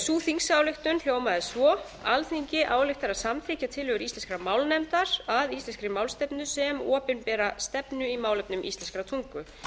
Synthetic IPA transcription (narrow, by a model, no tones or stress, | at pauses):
suːθiŋsawlɪxt̪ʏnl̥joːwmaðɪsvɔ | alθiɲcɪʔaːwlɪxt̪aɾaðsamθɾiːcat̪ʰɪlɦʏɣʏɾist̪ɛnskɾamaːwlnɛmt̪aɾ̥aðist̪ɛnskɾɪmaːwlst̪ɛpnʏsɛmɔːpɪnpɛːɾast̪ɛpnʏimaːwlɛpnʏmʔḭst̪ɛnskɾat̪ʰuŋkʏ